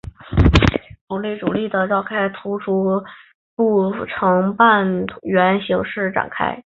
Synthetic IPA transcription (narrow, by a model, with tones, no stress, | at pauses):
ʈ͡ʂu˨˩li˥˩ʈ͡ʂu˨˩li˥˩d̪ə˩ʈ͡ʂɑ˥˧ʊkʰa˥˩ɪt̪ʰu˧˥ʈ͡ʂʰu˧˥ | pu˥˩ʈ͡ʂʰɤ˧˥ŋpa˥˧nʰɥɛ˧˥nɕi˧˥ŋʂɻ̩˥˩ʈ͡ʂa̰˨˩nkʰa̰˥ɪ